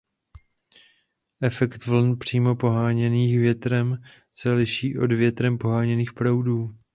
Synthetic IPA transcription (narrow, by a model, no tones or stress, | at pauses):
ʔɛfɛkt̪vl̩npr̝̥iːmo̞po̞ɦaːɲɛniːxvjɛt̪ɾɛm | sɛlɪʃiːʔo̞̰dvjɛt̪ɾɛmpo̞ɦaːɲɛniːxpɾowduː